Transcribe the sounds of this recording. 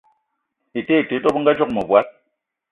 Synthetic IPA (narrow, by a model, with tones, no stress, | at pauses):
i˨te˦˨te˨˦tɔ˦bŋ̩˦ɡa˦d͡ʒɔ˦k̚mɔ˨bwa˨˦t̚